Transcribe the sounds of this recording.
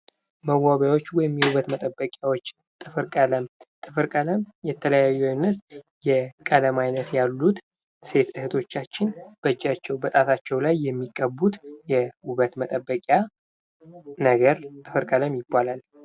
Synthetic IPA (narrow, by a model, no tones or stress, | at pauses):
məwaβjawo̞t͡ʃːwɔjɪmjɛwuβət̪mət̪ʼəbːəkʼjawo̞t͡ʃː | t̪ʼɨfɨɾkʼələmt̪ʼɨfɨɾkʼələmjɛt̪ʰələjajːuajnːət̪ | jɛkʼələmajnət̪jalːut̪ | se̞t̪ɨhɨt̪ʰo̞t͡ʃːat͡ʃːɪnb̥əd͡ʒːat͡ʃːɛwbət̪ʼat̪ʰat͡ʃːɛwlajːɛmːikʼːəbut̪jɛhuβət̪mət̪ʼəbːəkʼja | nəɡəɾt̪ʼɨfɨɾkʼələmjɪbːalal